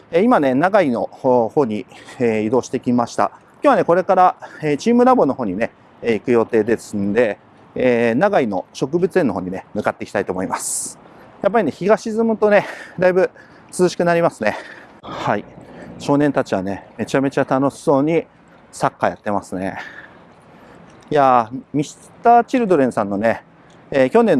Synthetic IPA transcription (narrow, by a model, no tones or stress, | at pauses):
eimane̞naɡaino̞̰ho̞ːɲ̟ieid̪o̞ːɕi̥t̪e̞kʲimaɕi̥t̪a̰ | kʲoβane̞ko̞ɾe̞kaɾaeːt͡ɕiːmɯ̟ɾabo̞noɦo̞ːɲ̟ine̞ | eikɯ̟jo̞t̪e̞ːd̪e̞sɨnod̪e̞ | eːnaɡaino̞̰ɕo̞kɯ̟bɯ̟t͡sɨenːo̞ɦo̞ːɲine̞mɯ̟kat̪ːe̞ki̥t̪ait̪o̞ːmo̞imasɨ̥ | jap̬ːaɾʲine̞çiɡaɕizɨmɯ̟t̪o̞ne̞d̪aibɯ̟ | t͡sɨzɨɕi̥kɯ̟naɾʲimasɨne̞ | haiɕo̞ːnẽ̞nt̪at͡ɕiβane̞me̞t͡ɕame̞t͡ɕat̪ano̞ɕso̞ːɲ̟i | sakːaja̰t̪ːe̞masɨne̞̰ | jamʲis | t̪aːt͡ɕiɾɯ̟d̪o̞ɾẽ̞ɰ̃sãnːo̞ne̞ː | kʲo̞nẽ̞nː